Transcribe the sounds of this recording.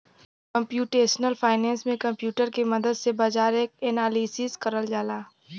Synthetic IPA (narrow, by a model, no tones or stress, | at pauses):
kɐ̃mpjuːʈeːʃnəlfʰaːɪnɛ̃ːnsmẽkɐ̃mpjuːʈəɾkemɐd̪əd̪sebaːd͡ʒaːɾeːkɛːnaːliːsiskɐɾəld͡ʒaːlaː